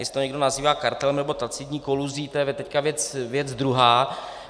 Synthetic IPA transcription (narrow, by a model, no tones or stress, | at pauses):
ɪst̪oɲɛɡdo̞naziːvaːkaɾt̪ɛlmnɛbo̞t̪at͡sidɲiːkoluziːt̪ojɛt̪ɛckavjɛt͡svjɛd͡zd̪ɾuɦaː